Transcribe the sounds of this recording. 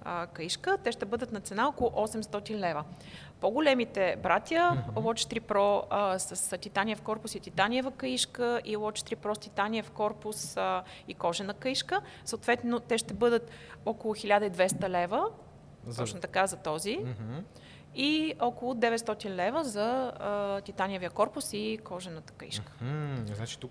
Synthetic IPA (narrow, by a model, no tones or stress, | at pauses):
əkəiʃkət̪ɛʃt̪ɛbɤd̪ət̪nɐt̪sɛnaɔkolˠʊʔɔsɛmst̪ɔt̪inlɛvə | poɡʊlɛmit̪ɛbɾat̪ʲjəlˠɔt͡ʃt̪ɾipɾɔsəst̪it̪anijəfkɔɾpʊsit̪it̪aniəvəkəiʃkəʔilˠɔt͡ʃt̪ɾipɾɔst̪ʲit̪anʲiəfkɔɾpʊs | ikɔʒɛnɐkəiʃkə | səot̪vɛt̪not̪ɛʃt̪ɛbɤd̪ət̪ɔkʊlˠʊxilʲad̪əid̪vɛst̪əlɛvə | ɔt͡ʃnot̪ɐkazɐt̪ɔziɦ | iɔkʊlˠʊd̪ɛvɛt̪st̪ɔt̪inlɛvəzɐ | t̪ʲit̪anʲijəvijəkɔɾpʊsikɔʒɛnət̪ə̥kəḭʃkə̥znat͡ʃi̥t̪uk